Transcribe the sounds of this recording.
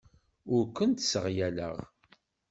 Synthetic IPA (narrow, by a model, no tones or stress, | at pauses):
ʊɾkʷːənt̪səʁjælə̰ʁ